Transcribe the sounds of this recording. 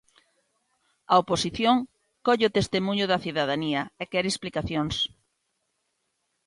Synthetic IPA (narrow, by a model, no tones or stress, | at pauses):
ɐoposiθjoŋ | kɔʎeot̪est̪emũɲʊðɐθiðaðaniɐekɛɾesplikaθjoŋs